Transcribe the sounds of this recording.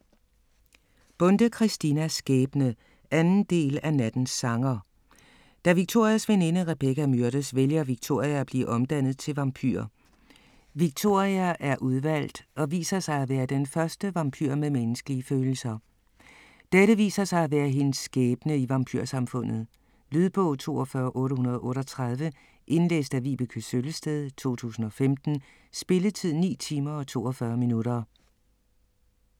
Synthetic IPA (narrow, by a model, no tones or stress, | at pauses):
b̥ɔ̽nd̥əkʰʁisd̥inæsɡ̥ɛːb̥nə | ʔænn̩d̥e̝̰ːlænæd̥n̩sːɑ̈ŋɐ | d̥æʋiɡ̥̚t͡sʰo̝ɐ̰iæsʋene̝nəʁeb̥ekæmyɐɾ̥əsʋeljɐʋiɡ̥̚t͡sʰo̝ɐ̰iæːb̥lḭːʔɒ̽md̥æn̰ð̞̩ˠt͡sʰe̝lʋɑ̈mpʰy̰ɐ̰ | ʋiɡ̥̚t͡sʰo̝̰ɐ̰ʁiæʔæɐʔuð̞ˠʋæl̰d̥ɒ̽ʋḭːsɐsɑ̈ɪæʋæːɐd̥enfɶɐsd̥əʋɑ̈mpʰy̰ɐ̰memenəsɡ̥əliəføːl̩sɐ | d̥eɾəʋḭːsɐsɑ̈ɪæʋæːɐɦe̝nsɡ̥ɛːb̥ənəiʋɑ̈mpʰy̰ɐsɑ̈mfɔ̽n̰ð̞̩ˠ | lyð̞ˠb̥ɔ̰̽ʊ̰t͡sʰo̝̰ːɒfɶːɐʔɔ̽ːɾəhunɐðˠɒʔɔ̽ːɾɒ̽t͡sʰʁɑð̞ˠʋə | ʔe̝nlḛːsd̥æʋḭːb̥əkʰøsøləsd̥eðˠt͡sʰo̝̰ːt͡sʰṵːsn̩ɒ̽femd̥n̩ | sb̥e̝lət͡sʰið̞̰ˠnḭːt͡sʰiːmɐɒ̽t͡sʰo̝̰ːɒfɶːɐminuɾ̥ɐ